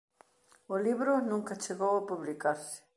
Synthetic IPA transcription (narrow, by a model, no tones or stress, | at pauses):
ʊliβɾʊnũŋkat͡ʃeɣowapuβlikaɾsɪ̥